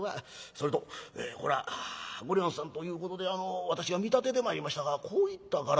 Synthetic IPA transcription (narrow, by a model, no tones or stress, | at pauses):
βaso̞ɾet̪oḛːko̞ɾaɡoɾʲiõɰ̃sãnt̪o̞jɯ̟ːko̞t̪o̞d̪e̞ano̞βat̪aɕiβamʲit̪at̪e̞d̪e̞mo̞aɾʲimaɕi̥t̪aɡakʰo̞ːit̪ːaɡaɾ